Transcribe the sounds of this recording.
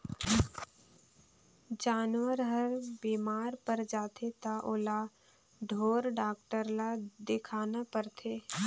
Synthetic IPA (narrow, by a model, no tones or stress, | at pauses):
d͡ʒaːnwəɾɦəɾbiːmaːɾpəɾd͡ʒaːt̪ʰet̪aʔola | ɖʱoːɾɖaːk̚ʈəɾlad̪ɪkʰaːnapəɾt̪ʰeː